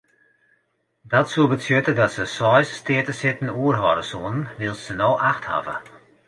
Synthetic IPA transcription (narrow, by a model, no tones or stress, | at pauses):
dɔtsuəbətjøtədɔtsəsɔjsstɪətəsɪtn̩uərɦɔ̰ɾəsuənnʋɪlˠssənoːʔaxtha̰və̰